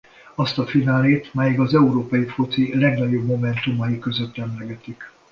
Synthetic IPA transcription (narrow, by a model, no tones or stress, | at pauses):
ɒst̪ɒfinaːleːt̪mɛjiɡɒzɛuɾoːpɒjifot̪silɛɡnɒɟo̞bmo̞mɛnt̪umɒjikø̞zøt̪ːɛmlɛɡɛt̪ik